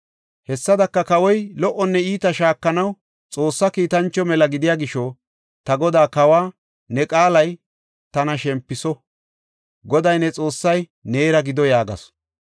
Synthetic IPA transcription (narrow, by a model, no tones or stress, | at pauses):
hɛsːɐd̪ɐkːɐkɐwɔjlɔʔɔnːɛiːt̪ɐʃaːkːɐnɐw | t͡sʼo̞ːsːɐkiːt̪ɐnt͡ʃːɔmɛlɐɡɪd̪ɪjaːɡɪʃɔ | t̪ɐɡɔd̪aːkɐwaː | nɛkʼaːlɐj | t̪ɐnɐʃɛmpːɪsɔ | ɡɔd̪ɐjnɛt͡sʼo̞ːsːɐj | ne̞ːɾɐɡɪd̪ɔjaːɡɐ̰s